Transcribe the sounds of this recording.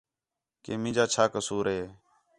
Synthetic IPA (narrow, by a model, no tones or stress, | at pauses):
keːmɪ̃ːd͡ʒaːt͡ʃʰaːkəsuːɾɦeː